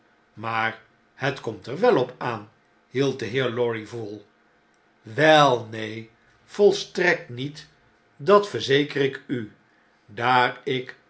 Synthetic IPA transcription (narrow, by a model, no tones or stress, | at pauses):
maːɹ | hətkɔmtɛɹʋɛlˠɔpaːn | ɦilˠt̚dəɦɪːɹlɔɹivulˠ | ʋɛlˠnej | v̥ɔlˠstrɛk̚tnit | dɑtfəɹzejkərɪky | daːɹɪk